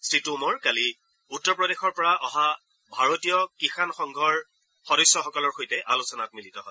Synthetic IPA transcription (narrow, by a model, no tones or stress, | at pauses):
sɹitumɔɹkali | utːɔpɹɔdexɔɹpɔɹaʔɔɦa | bʱaɹotijɔkixanxɔŋɡʱɔɹ | xɔɾɔjsːɔxɔkɔlɔɹxojtɛʔalusɔnatmilitɔɦɔɪ